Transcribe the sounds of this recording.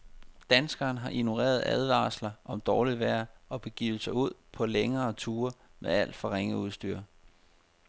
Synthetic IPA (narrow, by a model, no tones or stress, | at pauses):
d̥ænsɡ̥ɐːn̩ɦɑ̈ʔino̝ʁḛːɐð̞̩ˠæð̞ˠʋɑ̰̈slɐʔɒ̽md̥ɒːliʋæɐ̰ɒ̽b̥e̝ɡ̥ḭːʊəsɐuð̞̰ˠpʰɒ̽leŋɐːt͡sʰuːɐmʔeæl̰d̥fɒ̽ʁeŋ̰əuð̞ˠsd̥y̰ːɐ